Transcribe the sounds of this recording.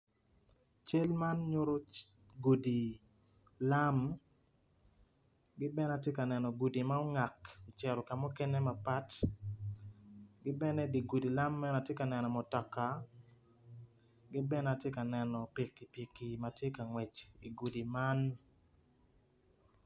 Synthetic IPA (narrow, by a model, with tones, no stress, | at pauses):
t͡ʃe˦lma˦nɲo˦ɾo˦ | ɡu˨di˨ | la˦m | ɡɪ˦bɛ˦na˨tje˦ka˨nɛ˨nɔ˨ɡu˨di˨ma˦o˦ŋa˨ko˨t͡ʃɛ˨ɾɔ˨ka˨mɔ˦kɛ˦nɛ˦ma˨pa˦t | ɡɪ˦bɛ˦nɛ˦di˨ɡu˨di˨la˦mːɛ˦na˨tje˦ka˨nɛ˨nɔ˨mɔ˨tɔ˨ka˨ | ɡɪ˦bɛ˦na˨tje˦ka˨nɛ˨nɔ˨pi˨kːi˨pi˨ki˨ma˨tje˦ka˨ŋwɛ˨t͡ʃi˨ɡu˨di˨ma˦n